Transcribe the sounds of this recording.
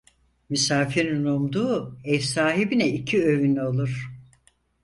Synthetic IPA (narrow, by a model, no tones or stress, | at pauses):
mysaːfiɾinumd̪uːɛvsaːɦibinɛicʰiø̞vyno̞lˠuɾ̥